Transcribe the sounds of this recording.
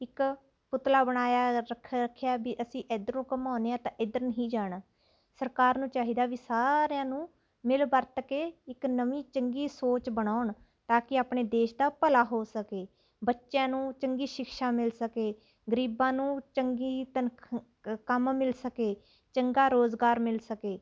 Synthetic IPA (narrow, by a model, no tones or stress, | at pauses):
ɪk | pʊt̪laːbəɽ̃aːjaːɾəkʰkʰːjaːbiːʔəsĩːʔɪd̪əɾnũːkəmaːneːãːt̪ãːʔɪd̪əɾnəɦĩːd͡ʒaːɽaː | səɾkaːɾnũːt͡ʃaːɦiːd̪aːʋiːsaːɾejãːnũː | mɪlbəɾt̪keːɪknəʋĩːt͡ʃəŋɡiːsoːt͡ʃbəɽ̃aːʊɳ | t̪aːkɪaːpɳeːd̪eːʃd̪aːpəlaːɦoːsəkeː | bətːʃjãːnũːt͡ʃəŋɡiːʃɪkʃaːmɪlsəkeː | ɡəɾiːbãːnũːt͡ʃəŋɡiːt̪ənʰ | kəmmɪlsəkeː | t͡ʃəŋɡaːɾoːzɡaːɾmɪlsəkeː